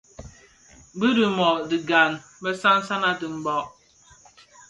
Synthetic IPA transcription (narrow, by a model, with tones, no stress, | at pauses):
bɨ˦dɨ˨mɔ˨di˨ɡa˨n˨bɛ˦sa˦n̩˦sa˦na˦dɨ˨m̩˨bɔ˦ʔ